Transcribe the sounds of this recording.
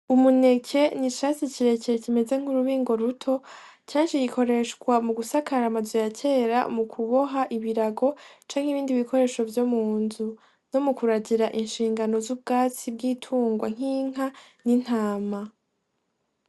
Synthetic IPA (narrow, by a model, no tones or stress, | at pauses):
umune̞cʰe̞niʃasiciɾe̞ceecime̞ze̞ŋ̥uɾuβiːŋɡo̞ɾutʰo̞ | caːnʃijikʰo̞ɾe̞ʃkwamuɡusakʰaɾamazojacʰe̞ːɾa̰mukʰuβo̞ɦaʔiβiɾaɡo̞t͡ʃaːŋ̥hiβiːndiβikʰo̞ɾe̞ːʃo̞vjomuːnzu | no̞mukuɾaɟiɾaʔinʃiːŋɡano̞zub̚ɡaːt͡sib̚ɡiːtʰuːŋɡwaŋ̥iːŋ̥anin̥haːma